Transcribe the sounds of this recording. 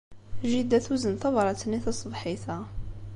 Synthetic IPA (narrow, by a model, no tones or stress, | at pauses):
ʒid̪æθwuzənθɑvɑɾˤɑt̪ənːiθæsˤbħiθæ